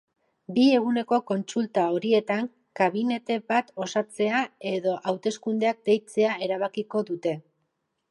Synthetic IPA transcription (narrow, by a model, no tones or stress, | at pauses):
bieɣ̞une̞ko̞ko̞nt͡sult̪ao̞ɾie̞t̪aŋ | kaβine̞t̪e̞bat̪o̞sat͡se̞ae̞ðo̞ʔawt̪e̞skund̪e̞ak̚d̪e̞jt͡se̞ae̞ɾaβ̞akiko̞ðut̪e̞